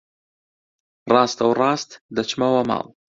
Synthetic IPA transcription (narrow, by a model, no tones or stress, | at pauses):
rɑːst̪ɐwrˤɑːst̪d̪ɐt͡ʃmɐwɐmɑ̰ːlˠ